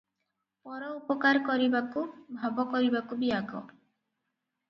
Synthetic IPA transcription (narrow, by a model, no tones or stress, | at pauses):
pɔɾɔupɔkaɾkɔɾibakubʱabɔkɔɾibakubiaɡɔ̰